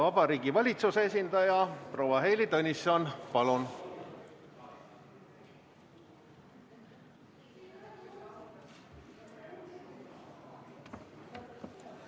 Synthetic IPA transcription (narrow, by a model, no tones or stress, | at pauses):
vɑbɑɾiːɡivɑlʲit̪susees̬ʲind̪̥ɑjɑpro̞ːwɑɦe̞jlit̪ɤnʲisɑnpɑlun